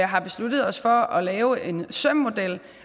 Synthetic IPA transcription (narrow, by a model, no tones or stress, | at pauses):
ɑ̈ɪɦɑ̈b̥e̝slud̥ð̞̩ˠɒ̽sfɒ̽ʔɒ̽lɛːʊe̝nsœm̰ːo̝d̥el̰